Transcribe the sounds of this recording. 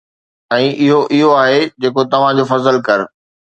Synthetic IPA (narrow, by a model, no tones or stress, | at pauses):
ɛ̃ːʔɪɦoʔɪɦoaːɦed͡ʑeːkot̪ɐʋ̤ãd͡ʑoːfɐzəlkɐɾ